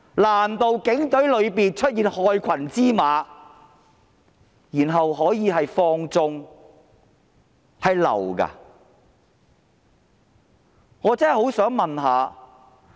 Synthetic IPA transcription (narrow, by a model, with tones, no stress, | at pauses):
laː˨˩nt̪o˨wkɪ˨˥ŋt̪ɵ˨˥ɥlɵ˨˧ɥpiː˨nt͡ʃʰɵ˥t̚jiː˨˧nhɔː˧jkʰɐ˨˩nt͡siː˥maː˨˧ | jiː˨˩nɦɐ˨wɦɔː˨˥jiː˨˧hɐ˨jfɔː˧ŋt͡sʊ˧ŋ | hɐ˨jlɐ̰˨˩wka̰˧ | ŋɔː˨˧t͡sɐː˥˨jho˨˥wsœː˨˥ŋmɐ˨nɦaː˨˧